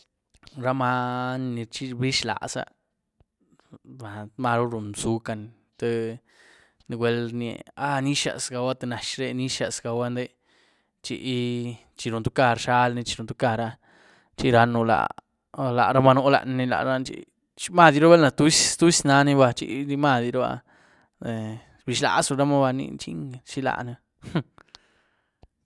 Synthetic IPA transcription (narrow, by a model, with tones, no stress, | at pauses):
ɾa˦ma˧n˧ni˧t͡ʃi˦bi˦ʃla̰˨sa̰˦˧ | ba˨˧ma˧ɾu˦ɾu˨nsu˨˧ka˧n | t̪e˧ | ni˧ɡwe˧lnḛ˧˨a˦ni˦ʃa̰˧˨sɡa˧wa˦t̪e˧na˨ʃɾe˧ni˦ʃa˧sɡa˧wa˦nd̪e˦˧ | t͡ʃḭ˧ʔ | t͡ʃi˧ɾu˨nt̪u˦ka˧ɾʂa˦lni˧t͡ʃi̥˧ɾu˨nt̪u˧˦ka˧ɾa˧ | t͡ʃi˦ɾa˧nu˧la̰˧˨ | la̰˨ɾa˦ma˧no˧˦la̰˧ʔn˧ni˧la̰˨ɾa˧nt͡ʃḭ˦ | t͡ʃi˦ma˧˨d̪ji˧ɾo˦be˦lna˧t̪u˦st̪u˦sna˧˦ni˦ba˧t͡ʃḭ˦ɾi˧ma˦˧d̪ɾa˦ba̰˧ | e˨ | bi˨˧ʃla̰˧˨su˧ɾa˦ma˦ba˧nḭ˧t͡ʃḭ˦ŋʃi˦la̰˧˨na˧